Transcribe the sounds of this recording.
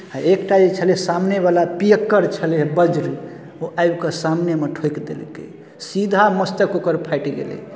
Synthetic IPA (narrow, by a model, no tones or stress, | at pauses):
aekʈad͡ʒet͡ʃʰəlesamneβalapijəkːəɾt͡ʃʰəlebəd͡ʒɾ | oʔajbkesamnemeʈʰojkd̪ḛlkḛ | sid̪ʱaməst̪əkokəɾpʰajʈiɡḛlɛ̰